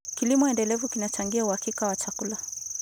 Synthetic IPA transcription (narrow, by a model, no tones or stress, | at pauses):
kilimɔɛndɛlɛvukinat͡ʃaŋɡiauhakikawat͡ʃakula